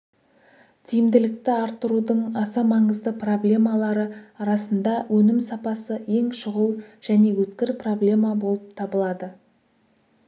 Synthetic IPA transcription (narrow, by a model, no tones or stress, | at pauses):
t̪ʰijɪmd̪ɪlɪk̚t̪ɪɑɾt̪ːəɾud̪əɴɑsɑmɑɴəzd̪əpro̞blʲe̞mɑlˠɑɾəɑɾɑsənd̪ɑwʔɵnɪmsɑpɑsəe̞ŋʃʊʁəlˠʒ̥æne̞wɵt̪kʲɪɾpro̞blʲe̞mɑbo̞lˠəp̚t̪ʰɑbəlˠɑd̪ə